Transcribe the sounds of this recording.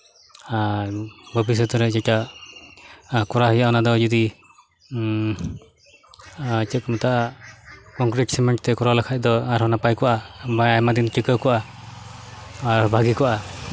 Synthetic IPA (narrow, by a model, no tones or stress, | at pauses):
aɾbʱəbis̬ɔt̪ɔɾɛd͡ʒɛʈa | kɔɾaɦɔjaʔɔnad̪ɔd͡ʒɔd̪i | t͡ʃɛkmɔt̪aʔ | kɔŋkɾɛʈsɛmɛɳʈt̪ɛkɔɾalakʰac̚ˀd̪ɔaɾɦɔnapajkɔʔaajmad̪inʈikəkɔʔa | ɾbʱaɡikɔʔa